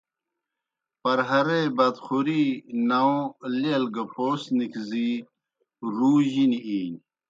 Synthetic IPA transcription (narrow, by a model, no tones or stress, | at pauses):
pɐɾɦɐɾebɐd̪xuɾinɐõlelɡɐpoːsnikzi | ɾuːʑiniiːn